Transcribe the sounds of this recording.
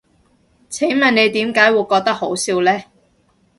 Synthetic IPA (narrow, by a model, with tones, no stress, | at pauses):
t͡sʰe˨˥ŋmɐ˨˩ne˨˧jt̪iː˨˥mkaː˨˥jwuː˨˧jkɔː˧k̚t̪ɐ˥k̚ho˨˥wsiː˨˧wlɛː˥